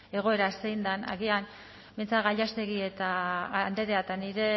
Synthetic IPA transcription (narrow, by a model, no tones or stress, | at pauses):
e̞ɣ̞o̞e̞ɾasejnd̪ana̰ɣian | bejnt͡saɣaʎast̪e̞ɣie̞t̪aːnd̪e̞ɾeat̪aniɾe̞